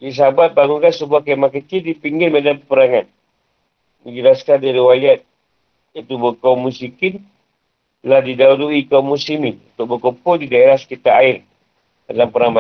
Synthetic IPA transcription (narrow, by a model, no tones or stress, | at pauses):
is̬abat̪̚baŋuŋkansəbuakamakət͡ʃɪldipiŋɡɪlmadampəɾaŋan | məɲd͡ʒəlaskandaɾiwaliat̪̚ | it̪ubəkaumːusikɪn | ladidauduikaumːusimɪnunt̪ʊk̚bəkopɔdidaeɾahsə̥kit̪aaɪr | dalampəɾaŋma